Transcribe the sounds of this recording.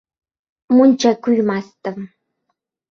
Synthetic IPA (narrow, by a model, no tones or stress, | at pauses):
mʊnt͡ʃakʊjmast̪am